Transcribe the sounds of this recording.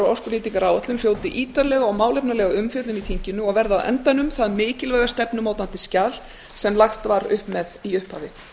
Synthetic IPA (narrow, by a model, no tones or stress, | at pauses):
aɔspɔliːt̪iŋkaɾaːwat̪lʏmfjoːwt̪ɪʔiːt̪aɾlɛɣaɔɣmaːwlɛjpnaɾlɛɣaʏmfjœt̪lʏmiθiɲcɪnʏɔɣvɛɾða̰ðʔɛ̰nt̪ajnʏmθaðmɪːcɪlvɛːjɣast̪ɛpnʏmoːwt̪ant̪ɪscaːl | sɛmlaxt̪vaɾʏhpmɛðiʏhpha̰ːvɪ